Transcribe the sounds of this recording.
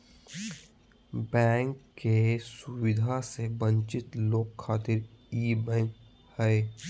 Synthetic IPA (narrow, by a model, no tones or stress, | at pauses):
bɛ̃ːŋkːesʊwɪd̪ʱasebə̃ɲt͡ʃɪt̪loːkʰːaːt̪ɪɾiːbɛ̃ːŋk | hɛe